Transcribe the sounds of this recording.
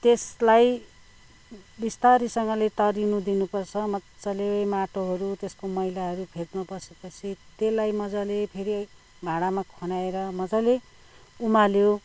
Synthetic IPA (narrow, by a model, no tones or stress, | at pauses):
t̪eslaj | bist̪aɾisʌŋʌlet̪ʌɾinud̪inupʌrt͡sʰʌmʌt͡sʌlewʌjmaʈoɦʌɾut̪eskomʌɦilaɦʌɾupʰet̪mabʌsepʌt͡sʰit̪elajmʌd͡zalepʰeɾi | bʱaɽamakʰonaeɾʌmʌd͡zale | umaljo